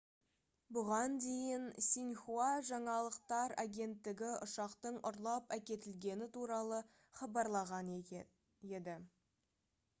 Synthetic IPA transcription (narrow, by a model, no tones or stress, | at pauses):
bʊʁɑnd̪e̞jɪnsinχuaʒɑɴɑlˠəqt̪ɑɾaɡʲe̞nt̪ːɪɡʲɪʊʃɑqt̪əɴʊɾlˠɑpækʲe̞t̪ɪlɡʲe̞nɪt̪ʰuɾɑlˠə | χɑbɑɾlˠɑʁɑn | e̞d̪ɪ